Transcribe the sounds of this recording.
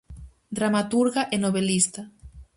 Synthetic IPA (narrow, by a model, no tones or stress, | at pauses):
d̪ɾamat̪uɾɣaʔenoβelist̪a